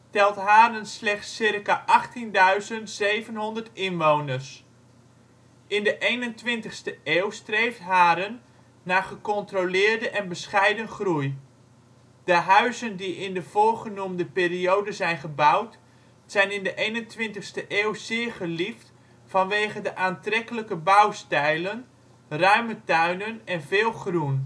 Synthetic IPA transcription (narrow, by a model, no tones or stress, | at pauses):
tɛlˠtɦaːɾənslɛχtsɪrkaʔɑχtindœɥzəntsejvənɦɔndərtɪnʋownərs | ʔɪndəʔejnəntʋɪntəχstəeːwstrejftɦaːɾənː | aːχəkɔntrolɪːɹdəʔɛnbəsχɛjdənχruj | d̥əɦœɥzəndiɪndəv̥oːrχənumdəpeːriowdəzɛjnχəbʌwt | sɛjnɪndəʔejnəntʋɪntəχstəʔeːwz̥ɪːɹχəlift | fɑnʋeːχədəʔaːntrɛkələkəbawstɛjlən | rœɥmətœɥnənɛnvɪːlˠχrun